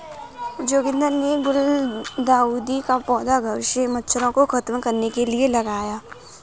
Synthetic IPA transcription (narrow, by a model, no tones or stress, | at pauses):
d͡ʒoːɡɪ̃nd̪ənneɡʊld̪aːuːd̪ikapɔːd̪aɡʱɐʋɪʃemɐtːʃʰəɾõkoxʰɐt̪mkɐɾnekelielɐɡaːjaː